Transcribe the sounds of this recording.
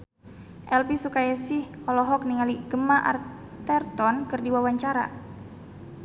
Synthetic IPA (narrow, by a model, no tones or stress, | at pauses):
ʔɛlpisukajasihɔlɔɦɔk̚niŋaliɡəmaʔa̰r | t̪ɛrt̪ɔnkərdiwawaɲt͡ʃaɾa̰